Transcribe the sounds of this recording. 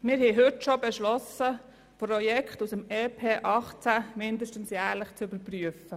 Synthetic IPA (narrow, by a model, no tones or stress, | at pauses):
mɪɾhɛɦɵtʃobɛʃlɔsə | prɔjɛkχtusəmeːpʰeːʔɑχt͡sæmɪndəʃtən̩sjæːɾləχt͡sybəɾpryəfə